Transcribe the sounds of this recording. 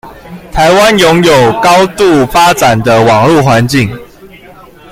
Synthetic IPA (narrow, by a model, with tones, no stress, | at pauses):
t̪ʰa˨˦ɪwa˦njɔ˧˦ŋjo˨˩ʊkɑ˦ʊt̪u˥˨fa˦t͡sa˨˩nd̪ə˦wɑ˨˩ŋlu˥˨xwa˧˦nt͡ɕi˥˨˩ŋ